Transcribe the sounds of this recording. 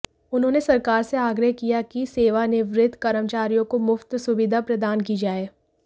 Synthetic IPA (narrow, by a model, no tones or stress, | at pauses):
ʊnɦõːnesɐɾkaːɾseaːɡɾəɦkijakiseːʋanɪʋɾɪd̪ʱkɐɾəmt͡ʃaːɾijõkomʊft̪sʊʋɪd̪ʱapɾɐd̪aːnkid͡ʒaːeː